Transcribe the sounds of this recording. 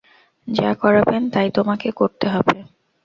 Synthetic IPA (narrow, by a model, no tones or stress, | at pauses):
d͡ʑakɔɾabent̪ajt̪omakekoɾt̪eɦɔbe